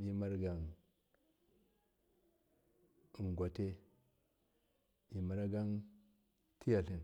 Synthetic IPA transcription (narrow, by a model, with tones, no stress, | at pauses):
i˦ma˦ɾɡa˨n˨ | ŋ˨ɡʷa˨te˦ | i˨ma˨ɾa˦ɡa˦n | ti˦ja˨ɬi˨n